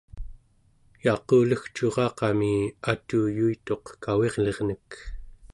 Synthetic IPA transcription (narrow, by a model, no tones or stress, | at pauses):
jɑqoːləxt͡ʃoʁɑːqɑmiat̪uːjuit̪o̞qkawe̞ʁle̞ʁnək